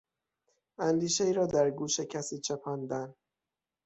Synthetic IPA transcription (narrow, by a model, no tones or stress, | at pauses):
ænd̪iːʃeiːɾɒːd̪æɾɡuːʃecʰæsiːt͡ʃʰepʰæːnd̪æn